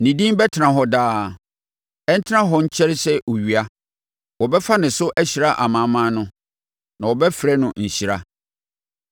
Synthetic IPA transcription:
nĩ˨dĩ˦m˦bɛ˦tʰɪ˨nã˨ɦɔ˨daː˦ | ɛ˦n̩˦tʰɪ˦ã˦ɦɔ˦ɲ̩˦t͡ɕʰɛ˦ɾɪ˦sɛ˦ʔo˨ɥi˨a˦ | wɔ˨bɛ˦fa˦nɪ̃˨sʊ˦ʔæ˦ɕi˨ɾa˦ʔa˨mã˨˦mã˦nʊ̃˦ | nã˨wɔ˨bɛ˦fɾɛ˦nʊ̃˨ɲ̩˨ɕi˨ɾa˦

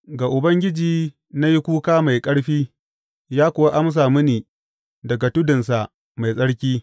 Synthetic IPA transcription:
ɡa˨ʔʊ˨bɐ˦ŋɡʲɪ˦d͡ʒiː˨ | na˦ji˦kʷuː˦kaː˦ma˨jkʼɐ˦ɽɸiː˦ | jaː˦kʷʊ˨wa˦ʔa˦ms̬aː˨mʊ˦niː˨ | dɐ˨ɡa˨tʊ˦dɪ˨nsa˨ʔ | ma˨jsʼɐ˦ɽkʲiː˦

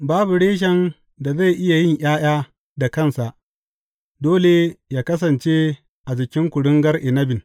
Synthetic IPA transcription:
baː˦bu˨ɽeː˦ʃ̬ɛ˨n | da˨za˦˨jʔɪ˦ja˨jɪ˦ɲʔaː˦j̰aː˦ | da˨kɐ˦˨nsa˨ʔ | doː˦le˨jaː˦kɐ˦s̬ɐ˨nt͡ʃe˦ | ʔa˨d͡ʒɪ˨kʲɪ˦ŋkʷʊ˨ɽɪ˦ŋɡɐ˦rʔɪ˨nɐ˦bɪ˨n

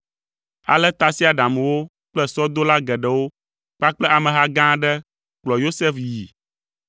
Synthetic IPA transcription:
a̰˨lɛ˦t̪a˨si˦a˨ɖa˨m˨wo˦ | k͡plɛ˦sɔ˦d̪o˦la˦ɡɛ˨ɖɛ˨wo˦ | k͡pa˦k͡plɛ˦a˨mɛ̃˨ɦa˦ɡã˦ɖɛ˦ | k͡plɔ˨jo˦sɛ˦fji˨

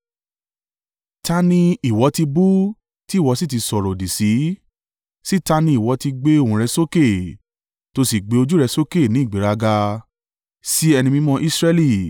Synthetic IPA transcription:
ta˦˧nĩ˧i˨wɔ˨˧˦ti˧bu˦ | ti˦˨wɔ˨˦si˦ti˨˧sɔ˨ɾɔ˨di˨si˨˦ | si˦ta˧nĩ˧i˨wɔ˨˧˦ti˧ɡ͡be˦o˦˨ũ˨ɾɛ˧so˦ke˦˨ | to˧si˨ɡ͡be˨˦o˧d͡ʒu˦ɾɛ˧so˦ke˦˨nĩ˨˦i˦˨ɡ͡be˨˦ɾa˧ɡa˧ | si˦ɛ˧nĩ˧mĩ˧mɔ̃˧ʔi˦sɾɛ˧li˦˨

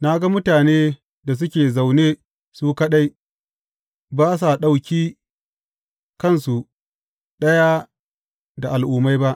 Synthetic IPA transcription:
na˦ɡa˦mʊ˦taː˨neː˦ | da˨s̬ʊ˦kʲeː˨za˨wneː˦ | suː˦kɐ˦ɗa˦j | baː˦s̬a˨ɗa˨wkʲiː˦ | kɐ˦˨nsu˨ | ɗɐ˦ja˦ | da˨ʔa˨lʔʊː˨ma˦jba˦ʔ

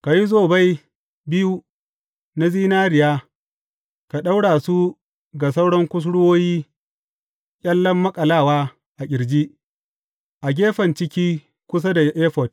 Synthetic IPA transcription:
ka˨ji˦zoː˦˨ba˦j | bɪ˦ju˦ | na˦ziː˦naː˦ɾɪ˨jaː˦ | ka˨ɗa˦wɽaː˨su˦ | ɡa˨s̬a˦wɽɔ˦ŋkʷʊ˦s̬ɽʊ˦woː˦jiː˦ | kʲʼɐ˦lːɐ˦mːɐ˦kʼɐ˨laː˦˨waː˦ | ʔa˨kʲɪ˨ɽd͡ʒi˦ʔ | ʔa˨ɡʲeː˦ɸɐ˨nt͡ʃɪ˦kʲiː˦ | kʷʊ˦s̬a˦da˨jʔeː˦ɸɔ˨t̚

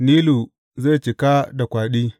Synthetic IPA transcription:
niː˦lu˨ | za˦˨t͡ʃi˨ka˦da˨kʷaː˨ɗiː˦

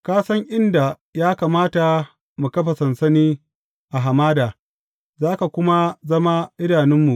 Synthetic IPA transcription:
kaː˦sɐ˦ŋʔɪ˦nda˨ | jaː˦kaː˨maː˦ta˨ | mu˨kɐ˦ɸa˨sɐ˨nsɐ˦niː˦ | ʔa˨ɦa˨maː˦daː˨ | zaː˦ka˨kʷʊ˦ma˦zɐ˦ma˦ʔɪ˦naː˨nɪ˦mːu˨ʔ

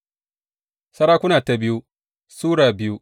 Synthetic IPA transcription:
sɐ˦ɾaː˦kʷʊ˦naː˨ta˨bɪ˦ju˦ | suː˦ɽaː˨bɪ˦ju˦

